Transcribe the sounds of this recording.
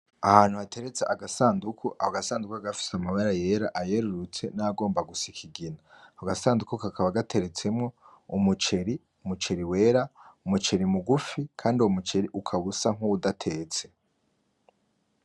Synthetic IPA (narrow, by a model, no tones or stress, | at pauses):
ahaːn̥huβatʰe̞ɾet͡seʔaɡasaːndukʰuʔa̰hoɡasaːndukuaɡafi̥samaβaɾaje̞ɾaʔaje̞ɾuɾut͡se̞̰naɡo̞ːmbaɡusikʰiɡina | hoɡasaːndukukakʰaβaɡatʰe̞ɾe̞t͡se̞mŋo̞ | umut͡ʃe̞ɾi | umut͡ʃe̞ɾiwe̞ːɾaumut͡ʃe̞ɾimuɡufikʰaːndiwomut͡ʃeɾiʔukʰaβusaŋ̥uudatʰe̞ːt͡se̞̥